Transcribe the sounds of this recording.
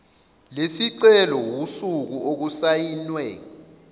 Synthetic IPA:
lesiǀɛlɔwusuk̬uʔok̬usajinwɛ

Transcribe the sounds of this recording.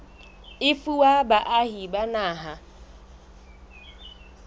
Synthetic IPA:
ɪfuwabaʔahibanaːɦa

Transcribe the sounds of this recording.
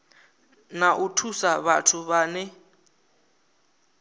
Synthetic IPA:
naʔutʰusaβatʰuβaːnɛ

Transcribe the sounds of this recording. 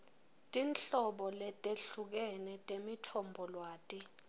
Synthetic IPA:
tʼinɬɔɓɔlɛtʼeɬuk̬ɛnɛtʼemitʰɔmbʱɔlwaːtʼi

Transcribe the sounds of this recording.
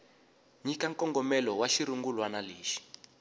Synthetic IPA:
ɲikaŋkɔŋɡɔmɛlɔwaʃiɾuŋɡulwanaleːʃi̥

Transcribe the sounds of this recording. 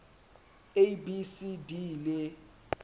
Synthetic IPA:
ebisidilɛ

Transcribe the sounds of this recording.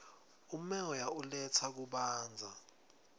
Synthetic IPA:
umɛɔjaulɛt͡sʰak̬uɓaːnd͡zʱa

